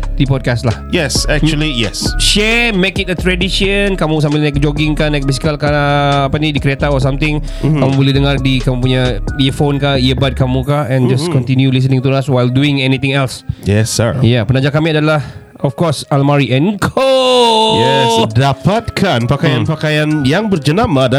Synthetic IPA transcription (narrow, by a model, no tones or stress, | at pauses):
d̥ipɔd̚kastlahjɛsɛk̚t͡ʃulijɛ̰sʃɛmekɪt̚ət̪ɾɛdiʃənkamũs̬ambɪlnak̚d͡ʒoɡɪŋkanajk̚bisi̥kalkaapanĩdikəɾiat̪aɔs̬amt̪ɪ̃ŋ | kamubolɛhdəŋardikamũp̬uɲaiəfonkaiəbat̚kamũkaɛ̃nd͡ʒaskɔ̃nt̪injulis̬ənɪ̃ŋt̪uɾaswajlduɪ̃ŋɛnit̪ɪ̃ŋɛlsjɛsa̰japənad͡ʒakamĩadalah | ɔfkɔsalmaɾiʔɛ̃nkʰojɛsdapat̪̚kʰanpakajanpakajanjaŋbərd͡ʒənamada